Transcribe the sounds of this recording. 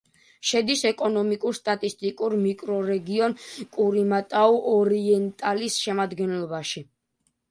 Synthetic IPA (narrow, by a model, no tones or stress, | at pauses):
ʃɛd̪isɛkʼɔnɔmikʼuɾst̪ʼat̪ʼist̪ʼikʼuɾmikʼɾɔɾɛɡiɔnkʼuɾimat̪ʼauʔɔɾiɛnt̪ʼalisʃɛmad̪ɡɛnlɔbaʃi